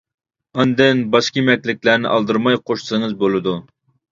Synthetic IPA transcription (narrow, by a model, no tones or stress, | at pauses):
ɑnd̪ɪnbɑʃkʲimɛkʲlɪk̚ʲlæɾnɪ̰ʔɑlˠd̪ɨɾmɑjqʰoʃsɨŋɨzbolˠɨd̪u